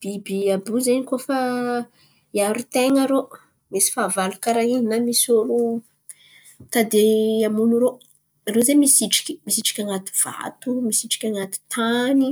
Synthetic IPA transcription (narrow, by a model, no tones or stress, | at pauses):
b̥ibiabuzeɲikofa | iaɾut̪eŋaɾo | misi̥faːvalukaɾaininamisoɾu | t̪ad̪eamunuɾo | rozemisiʈ͡ʂi̥kʲi̥misiʈ͡ʂḁkʲaŋat̪i̥v̥a̰t̪umisiʈ͡ʂḁkʲaŋat̪i̥t̪ʰani